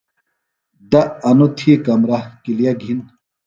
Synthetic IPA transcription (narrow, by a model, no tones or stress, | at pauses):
d̪ɐʔɐnot̪ʰikɐmɾakilijaɡʱin